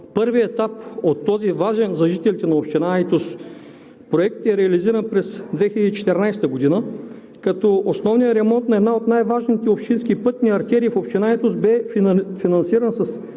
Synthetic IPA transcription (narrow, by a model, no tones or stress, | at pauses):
pɤɾviɛt̪apot̪ːɔzivaʒɛnzɐʒit̪ɛlit̪ɛnɐopʃt̪inajt̪us | pɾoɛkt̪ɛɾɛɐliziɾənpɾɛsd̪vɛxiləd̪iːt͡ʃɛ̥t̪ɛɾnajst̪əɡod̪inə | kɐt̪ɔosnɔvnijəɾɛmɔnt̪nɐɛd̪naot̪najvaʒnit̪ɛopʃt̪inskipɤt̪nʲiɐɾt̪ʲɛɾiːfopʃt̪inajt̪usbɛfinɐnsiɾənsɐs